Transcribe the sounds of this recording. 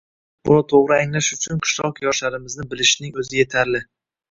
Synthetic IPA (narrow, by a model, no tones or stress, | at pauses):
b̥ʊ̰nat̪ʰoʁɾɪaŋlaʃʊt͡ʃʰʊnqʰɨ̥ʃlˠɒqjɒʃlaɾɪmɪznɪbɪlɪʃnɪŋɵzɪje̞t̪ʰaɾlɪ